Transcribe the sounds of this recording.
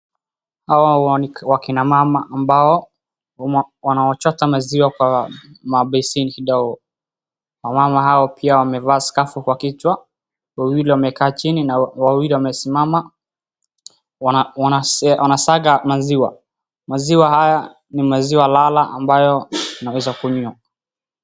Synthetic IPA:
hawaniwakinamamaʔːmbaɔ | wanawɔt͡ʃɔtamaziwakwamaɓɛsinikiɗauɔ | wamamaɦaɔpʰiawamɛvaːskafukwakit͡ʃwa | wawiliwamɛkaːt͡ʃininawawiliwamɛsimama | swanasaɣamaziwa̰ | maziwahaja | nimaziwalalaʔa̰mbajɔnawɛzakuɲua

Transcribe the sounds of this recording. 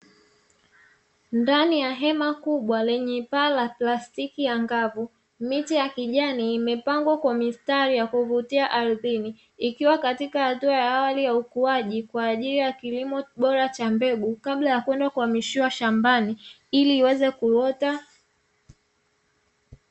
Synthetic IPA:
ndanijaɦɛmakuɓwalɛɲɛpaːlaplastikijaŋɡavu | mitijakiʄaniːmɛpaŋɡwakwamistaɾijakuvutiaʔaɾiðiniː | kiwakatikahatuajaːwalijaukuaʄikwaːʄilijakilimɔɓɔɾat͡ʃambɛɓukaɓlajakwɛndakuamiʃiwaʃambani | iliːwɛzɛkuɾɔta

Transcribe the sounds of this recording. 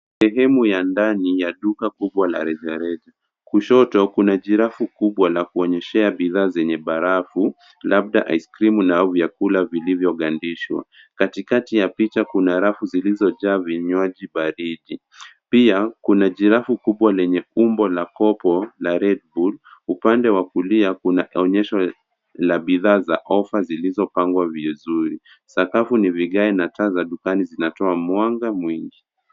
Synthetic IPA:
sɛɦɛmujandanijaɗukakuɓwala̰ɾɛʄaɾɛʄa | kuʃɔtɔkunaʄiɾafukuɓwalakuɔɲɛʃɛaɓiðaːzɛɲɛɓaɾafu | laɓ̚ɗa̰ʔajskɾimunavjakulavilivjɔɠandiʃwa̰ | katikatijapit͡ʃakunaɾafuzilizɔʄaːviɲaʄiɓaɾiʄi | piakunaʄiɾafukuɓwalɛɲɛumbɔlakɔpɔlaɾɛd̚bulupandɛwakuliakunaɔɲɛʃɔ | laɓiðaːzaʔɔfazilizɔpaŋɡwavizuɾi | sakafuniviɠaɛnatazaɗukanizinatɔamwaŋɡamwiŋɡi

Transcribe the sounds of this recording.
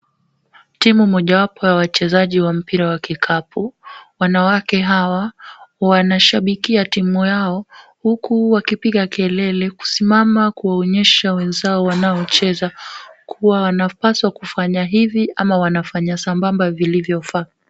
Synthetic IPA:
timumɔʄawapɔjawat͡ʃɛzaʄiwam̩piɾawakikʰapʰuwanawakɛɦawawanaʃaɓikiatimujaɔhukuwakipiɠakʰɛlɛlɛku̥simamakuwaɔɲɛʃawɛnzaɔwanaɔt͡ʃɛzakʰuwawanapaswakufaɲaɦiviʔamawanafaɲasambambavilivjɔfa

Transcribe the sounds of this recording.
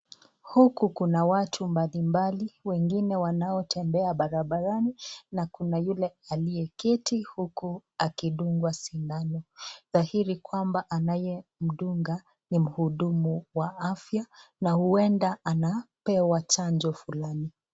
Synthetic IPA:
hukukunawatʰumbalimbaliwɛŋɡinɛwanaɔtʰɛmbɛaɓaɾaɓaɾaninakunajulɛalijɛkɛtʰihukuakiɗuŋɡwasiŋɡanɔðahiɾikwambaʔanajɛm̩ɗuŋɡa | nim̩huɗumuwaafjanahuɛndaanapɛwat͡ʃand͡ʒɔfulani

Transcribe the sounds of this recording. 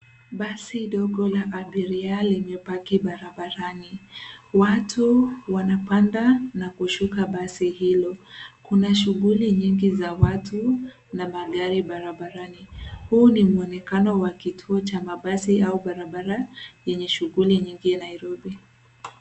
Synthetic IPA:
ɓasiɗɔɡɔlaʔːɓiɾialimɛpakiɓaɾaɓaɾaniwatʰuwanapandanakuʃukaɓasihilɔkunaʃuɣuliɲiŋɡizawatʰu | namaɠaɾiɓaɾaɓaɾanihunimuɔnɛkanɔwakitʰuɔt͡ʃamaɓasiauɓaɾaɓaɾajɛɲɛʃuɣuliɲiŋɡinaiɾɔbi

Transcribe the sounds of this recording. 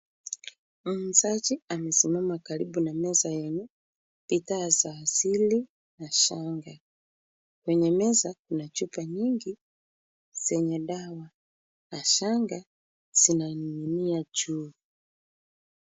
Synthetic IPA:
m̩zat͡ʃiamɛsimamakaɾibunamɛzajɛɲu | pitaːzaːsili | naʃaŋɡa | kwɛɲɛmɛzakunat͡ʃupaɲiŋɡi | z̥ɛɲɛɗawa | naʃaŋɡa | z̥inaniinijat͡ʃuː

